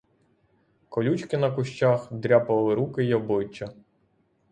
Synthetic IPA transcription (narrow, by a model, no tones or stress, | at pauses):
kɔlʲut͡ʃkɪnɐkʊʃt͡ʃaxd̪ɾʲapɐlˠɪɾukɪjɔblˠɪt͡ʃːɐ